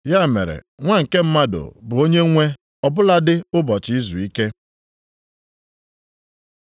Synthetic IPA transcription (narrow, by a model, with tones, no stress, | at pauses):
ja˦˨me˨ɾḛ˨ | ŋʷa˦ŋ̩˨ke˦m̩˦ma˦dʊ̰˨bʊ˨o˦ɲe˦ŋʷe˦ | ɔ˨bʊ˦la˦dɪ˦ʊ˦bɔ˨t͡ʃɪ˦i˦zu˨i˦ke˦